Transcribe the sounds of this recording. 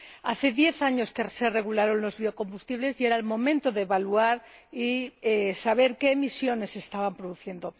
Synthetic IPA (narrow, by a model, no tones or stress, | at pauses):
aθe̞ðje̞θaɲo̞skesere̞ɣ̞ulaɾo̞nlo̞zβio̞ko̞mbust̪iβle̞zieɾaelmõ̞mẽnt̪o̞ðe̞βaluaɾiesaβ̞e̞ɾke̞ːmisjo̞ne̞se̞st̪aβampɾoðuθje̞nd̪o̞